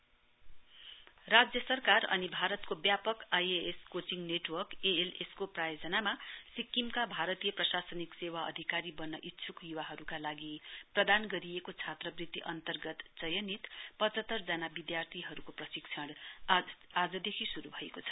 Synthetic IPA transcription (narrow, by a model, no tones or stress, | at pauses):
rad͡zjʌsʌrkarʌ̰nibʱaɾʌt̪kobjapʌkajeeskot͡siŋneʈwʌrkeeleskoprajod͡zʌnamasikːimkabʱaɾʌt̪ijʌprʌsasʌniksewaʌ̰d̪ʱikaɾibʌnːʌʔit̪ːsʰukjuwaɦʌɾukalaɡiprʌd̪anɡʌɾijekot͡sʰat̪rʌbrit̪ːiʔʌnt̪ʌrɡʌt̪t͡sʌjʌnit̪pʌt͡sʌt̪ːʌrd͡zʌnabid̪jart̪ʰiɦʌɾukoprʌsikt͡sʰʌɽ | ad͡zʌd̪ekʰisuɾubʱʌekot͡sʰʌ̥